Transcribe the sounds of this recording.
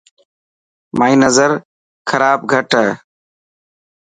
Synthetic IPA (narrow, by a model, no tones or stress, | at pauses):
maːĩːnəzəɾ | kʰəɾaːb̚ɡʱəʈəː